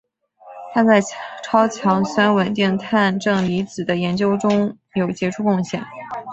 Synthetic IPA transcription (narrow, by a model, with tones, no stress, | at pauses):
t̪ʰa˥t͡sa˥˩ɪʈ͡ʂʰɑ˥ʊt͡ɕʰjɑ˧˥ŋswa˥nwə˨˩nt̪i˥˧ŋt̪ʰa˥˧nʈ͡ʂɤ˥˩ŋli˧˥t͡sɹ̩˨˩d̪ə˦jɛ˧˥nt͡ɕjo˥ʊʈ͡ʂʊ˥ŋ | jo˨˩ʊt͡ɕjɛ˧˥ʈ͡ʂʰu˥˧kʊ˥˧ŋɕjɛ̰˥˨˩ŋ